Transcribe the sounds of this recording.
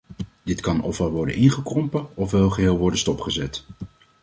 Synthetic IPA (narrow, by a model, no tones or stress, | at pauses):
d̥ɪtkɑnɔfʋɛlˠʋɔɹdə̰nʔɪnχəkrɔmpəɔfʋɛlˠχəɦɪːlˠʋɔɹdənstɔpχəzɛt